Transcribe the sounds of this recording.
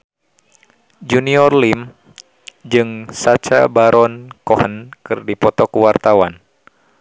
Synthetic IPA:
d͡ʒuniɔrlim | d͡ʒɨŋsat͡ʃa̰baɾʔɔnkɔhənkɨrdipɔt̪ɔkuwart̪awan

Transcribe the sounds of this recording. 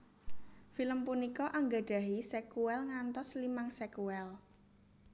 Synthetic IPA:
filəmpunikɔʔaŋɡaɖ̥a̤ɦisɛkuɛlŋant̪ɔslimaŋsɛkuɛl

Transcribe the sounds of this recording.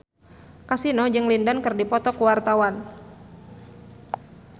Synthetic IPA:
kasinɔd͡ʒɨŋlindankɨrdipɔt̪ɔkuwart̪awan

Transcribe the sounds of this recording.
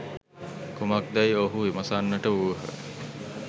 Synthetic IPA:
kumak̚d̪æjoɦueməsanːəʈəuəɦə̰

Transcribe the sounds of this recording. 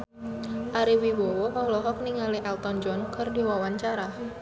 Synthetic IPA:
ʔaɾiwibɔwɔʔɔlɔɦɔk̚niŋaliʔɛlt̪ɔnd͡ʒɔnkərdiwawaɲt͡ʃaɾa

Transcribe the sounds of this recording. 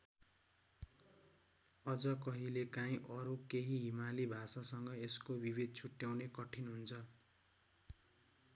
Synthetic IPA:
ʌd͡zʌkʌɦilekaĩʔʌɾukeɦiɦimalibʱasasʌŋɡʌeskobibid̪̚ʱt͡sʰuʈjawnekʌʈʰinɦunt͡sʰʌ

